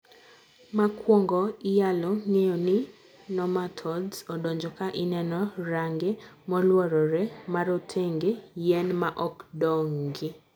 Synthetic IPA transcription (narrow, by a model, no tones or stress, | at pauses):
makwɔŋɡɔɪjaloŋejonɪ | nɔmatʰɔdzɔdɔɲd͡ʒɔkaʔɪnɛnɔɾaŋɡemɔlwɔɾɔɾɛmaɾotʰeŋɡejɛnmaʔɔkdɔŋɡɪ